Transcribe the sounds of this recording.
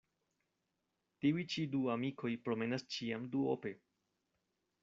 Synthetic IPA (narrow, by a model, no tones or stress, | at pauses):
tiujt͡ʃiduamiko̞jpɾo̞me̞nast͡ʃiamduo̰pe̞